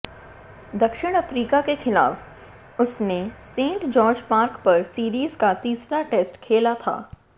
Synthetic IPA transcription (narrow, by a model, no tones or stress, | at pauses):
d̪ɐkʃɪɽ̃ɐfɾiːkakexɪla̰ːf | ʊsnesẽːɳʈd͡ʒɔːɾd͡ʒpaːɾkpɐɾsiːɾiːzkat̪iːsɾaʈeːsʈkʰeːlat̪ʰa̰ː